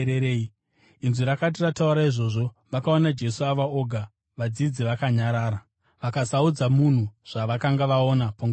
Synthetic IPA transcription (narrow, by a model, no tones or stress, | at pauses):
ɾeɾei | inziɾakat̬iratauɾaiʐo̞ʐo̞ | ʋakao̞nad͡ʒe̞suaʋao̞ɡʱa | ʋad͡zid͡ziʋakaɲaɾaːɾa | ʋakasaud͡zamun̤uʐ̥aʋakaŋɡaʋaonapoŋɡ